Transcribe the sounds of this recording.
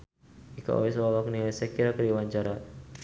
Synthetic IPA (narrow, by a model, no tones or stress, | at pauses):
ika̰ʔo̰wislɔlɔknilajsakiɾakəɾiwaɲt͡ʃaɾa